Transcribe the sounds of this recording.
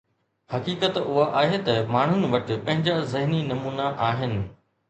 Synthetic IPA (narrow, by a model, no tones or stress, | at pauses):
hɐkiːkət̪ʊɦaʔaːɦet̪ɐmaːɳ̤ʊnɪ̆ʋɐʈɪ̆pɐ̃ɦɪ̃ɲd͡ʑazɐɦninɐmuːnaʔaːɦɪnɪ̆